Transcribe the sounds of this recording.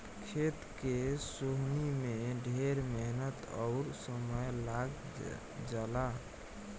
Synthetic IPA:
kʰet̪kesoɦnimeɖʱeɾmɛɦnət̪ɔʊɾsəməjlaɡ | d͡ʒala

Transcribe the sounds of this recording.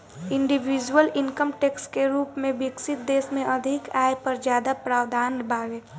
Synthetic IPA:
ɪ̃ɳɖiʋiːd͡ʒwəlɪŋkəmʈeːkskeɾuːpmẽbɪksɪt̪̚d̪eːsmẽʔɐd̪ʱɪkaːepɐɾd͡ʒjaːd̪apɾaːʋd̪ʱaːnbʱaːɡeː

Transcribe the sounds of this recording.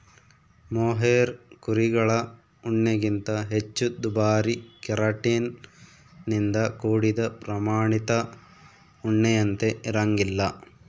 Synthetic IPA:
moːɦeːɾkuɾiɡɐɭɐ | uɳːeɡint̪ɐɦet͡ʃːud̪ubaːɾikɛɾaːʈiːnː | ind̪ɐkuːɽid̪ɐpɾɐmaːɳit̪ɐ | uɳːejɐnt̪e̞ʔiɾaŋɡilːɐ

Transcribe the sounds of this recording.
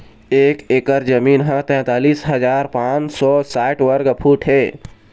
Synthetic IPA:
eːkeːkəɾd͡ʒəmiːnɦãt̪ɛ̃ːt̪aːliːsɦəd͡ʒaːɾpãːnt͡ʃsɔːsaːɪʈʋəɾɡəpʰuːʈɦɛː

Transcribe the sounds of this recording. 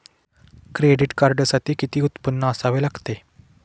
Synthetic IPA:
kɾeɖiʈkaɾɖsaʈ̪iːkit̪iːut̪pənːəəsaʋelaɡt̪e

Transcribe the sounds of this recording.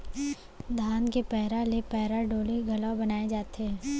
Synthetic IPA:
d̪ʱaːnkepɛɦɾalepɛɦɾaɖoːleɡʱɐlabɐnaːed͡ʒaːt̪eɦɛː

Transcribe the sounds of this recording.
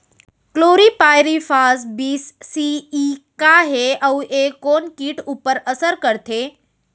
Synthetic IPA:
kloɾipajɾifasbisːiikaɦeəwʔekːonkiːʈupəɾəsəɾkəɾt̪ʰe

